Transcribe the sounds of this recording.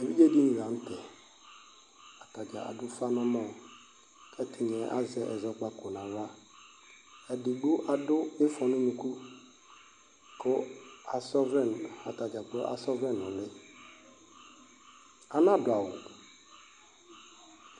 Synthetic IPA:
e˨vi˦d͡ʒe˦di˦ni˨ɾa˨n̩˦tɛ˨ | a˨ta˨d͡ʒa̰˨a̰˨dʊ˦fa˦nɔ̃˦mɔ̃˦˨ | kʰɛ˦tʰɪ˨ɲ˨ɛ̃˨ʔa̰˦zɛ˨˦ʔɛ̰˨zɔ˦k͡pa˦kʊ˨nã˨ɾa˦ | ɛ˨dɪ˨ɡ͡bʊ˦ʔa˨dʊ˦ɪ˦fɔ˨nʊ̃˦nũ˨ku˦ | kʰʊ˦a˨sɔ˦vɛ˦n˨a̰˨ta˨d͡ʒa˨kʊ˦a̰˨sɔ˦vɛ̃˦nːʊ̃˨lɪ˦ | a˨nã˦dʊ˨a˨wʊ˨

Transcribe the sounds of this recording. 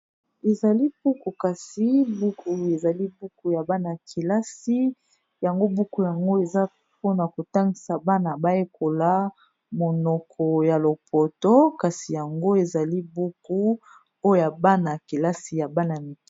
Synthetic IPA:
e˨za˨li˦bu˦ku˨ka˨si˦bu˦ku˨e˨za˨li˦bu˦ku˨ja˨ba˦na˨kʰi˨la˦si˦ | ja˨ŋɡo˦bu˦ku˨ja˨ŋɡo˦e˨za˦ | po˦na˨ko˨ta˦ŋɡi˨sa˨ba˦na˨ba˦e˦ko˨la˦ | mo˨nɔ˨kʰɔ˨ja˨lo˨pʰo˨to˦ka˨si˨ja˨ŋɡo˦e˨za˨li˦bu˦ku˦ | o˦jo˦ja˨ba˦na˨ki˨la˦si˨ja˨ba˦na˨mi˨˦

